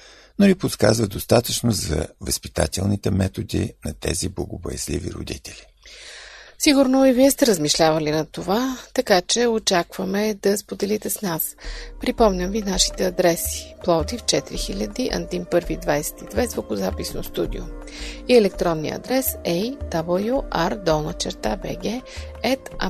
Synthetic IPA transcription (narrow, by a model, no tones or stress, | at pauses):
noliposkazvəd̪ost̪at̪ət͡ʃnozɐ̰vəspi̥t̪a̰t̪ɛlˠnit̪ɛmɛt̪od̪inɐt̪ɛ̰ziblˠəɡʊbojɛzlivḭɾo̰d̪it̪ɛlʲi | siɡʊɾnoiviɛst̪ɛɾəzmiʃlʲavɐlinɐt̪ovat̪ɐkat͡ʃɛot͡ʃakv̥əmɛd̪ɐspod̪ɛlit̪ɛsnaspɾipɔmnʲəmvinaʃi̥t̪ɛɐd̪ɾɛsi̥plˠɔtd̪ift͡ʃɛt̪iɾixilʲəd̪iʔɐ̰nd̪impɤɾvid̪vajsɛ̥t̪id̪vɛzvokʊzapisnost̪ud̪io | iɛlɛkt̪ɾɔnːiə̰ɐ̰d̪ɾɛsɛjd̪̥abəlˠjuʔaɾd̪ɔlˠnət͡ʃɛɾt̪abɛɡɛ | ɛt̪a